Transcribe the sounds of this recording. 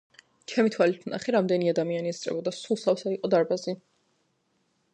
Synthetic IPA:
t͡ʃʰɛmit̪ʰwalit̪ʰna̰χɛɾamd̪ɛniad̪amianiɛsʼɾɛ̰bɔd̪asulˠsafsaiqʼɔd̪aɾbazi

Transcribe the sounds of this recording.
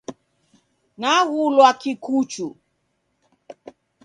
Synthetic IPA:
naɣulwakikut͡ʃu

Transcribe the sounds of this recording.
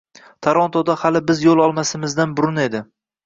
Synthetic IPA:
t̪ʰaɾɒnt̪ʰod̪ahalɪbɪzjolˠɒlˠmasɪmɪzd̪anbʊɾʊne̞d̪ɪ

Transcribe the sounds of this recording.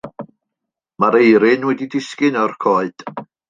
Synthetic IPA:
maɾejɾɪnwɛdidɪskɪnɔrkʰoːɨd̥

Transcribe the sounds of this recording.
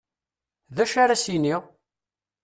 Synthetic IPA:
ðæʃaɾasiniʁ

